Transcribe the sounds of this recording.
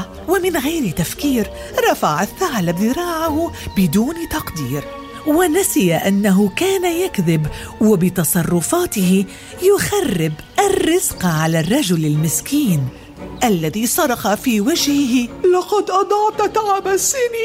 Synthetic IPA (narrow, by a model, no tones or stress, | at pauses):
wamɪnɣajɾt̪afkiːɾ | ɾˤɑfaʕaθːaʕlabðɪɾˤɑːʕahʊbɪd̪uːnt̪ɑqd̪iːɾ | wɪnasɪjaʔanːaɦʊkaːnajakðɪb | wɪbɪt̪ɑsˤɑrˤːʊfaːt̪ɪhɪ | jʊxarːɪb | ʔarːɪzqʕalarˤːɑd͡ʒʊlalmɪskiːn | ʔalːaðisˤɑɾˤɑqɑfiːwad͡ʒhɪɦɪlɑqɑd̪ʔɑd̪ˤɑʕt̪at̪aʕabasɪni